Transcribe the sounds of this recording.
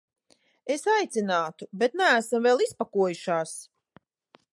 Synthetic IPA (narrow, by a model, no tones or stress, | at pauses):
esajt̪sinaːt̪ubet̪nææsamvɛlˠispakuɔjuʃaːs